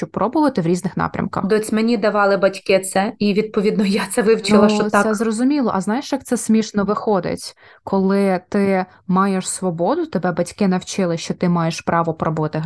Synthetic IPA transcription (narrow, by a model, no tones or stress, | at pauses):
ɔpɾɔbʊʋɐt̪ɪʋɾʲiznɪxnɑ̰pɾʲɐ̰mkɐ̰xd̪ɔt͡sʲmenʲid̪ɐʋɑlˠɪbɐtʲkɪt̪sɛiʋʲid̪̚pɔʋʲid̪nɔjat̪sɛʋɪwt͡ʃɪlˠɐʃɔɛzrɔzʊmʲilˠɔ̰ʔɐznɑjeʃjɐk̚t̪sɛsʲmʲiʃnɔʋɪxɔd̪ɪ̰tʲ | kʰɔlˠɪt̪ɪ | mɑjeʃsʋɔbɔd̪ʊt̪ebɛbɐtʲkɪnɐwt͡ʃɪlˠɪʃt͡ʃɔt̪ɪmɑjeʃpɾʔɑʋɔpɾɔbʊʋɐt̪ɪɦ